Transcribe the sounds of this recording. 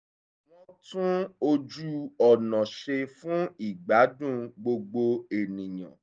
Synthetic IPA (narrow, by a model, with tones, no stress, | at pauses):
w̃ɔ̃˦tũ˦o˧d͡ʒu˦ɔ˨nɔ̃˨ʃe˧fũ˦i˦˨ɡ͡ba˨˦dũ˦ɡ͡bo˧ɡ͡bo˧e˨nĩ˨j̃ã̰˨